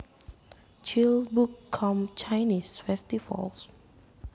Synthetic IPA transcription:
t͡ʃilbukʰːɔmt͡ʃajnisfɛst̪ifa̰ls

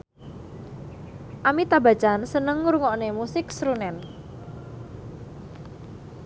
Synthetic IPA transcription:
ʔamit̪abat͡ʃansənəŋːuɾuŋɔʔnemusɪksɾunɛn

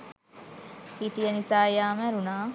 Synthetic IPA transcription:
hiʈijənisaːejaːmæɾunaː

